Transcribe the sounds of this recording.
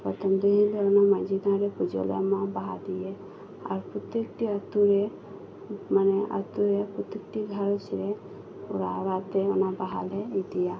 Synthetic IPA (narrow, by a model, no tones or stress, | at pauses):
pɔt̪ʰɔmd̪uɦĩlɔɔnamad͡ʒʱiɡ̪ãɾɛpud͡ʒɔ̰lja̰mabaɦa̰d̪ijɛ | a̰ɾpɾut̪ekʈiət̪uɾɛ | manɛʔə̰t̪uɾɛpɾut̪ek̚ʈiɡʱaɾsɾɛ | uɾaɾat̪ɛɔnabaɦa̰lɛid̪ija